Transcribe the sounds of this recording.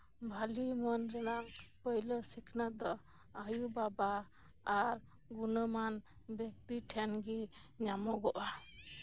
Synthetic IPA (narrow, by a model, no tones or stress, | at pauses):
bʱalimɔnɾɛnaŋpɔjlɔsikʰnad̪ɔ | ajubabaː | ɾ | ɡunəman | bɛk̚t̪iʈʰɛnɡiɲamɔɡɔʔa